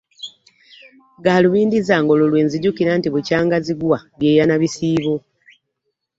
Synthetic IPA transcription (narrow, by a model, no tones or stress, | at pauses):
ɡaluβiːndizaːŋɡo̞lolwe̞ːnziɟukiɾantiβucaːŋɡaziɡwaβjeːjanaβisiːβo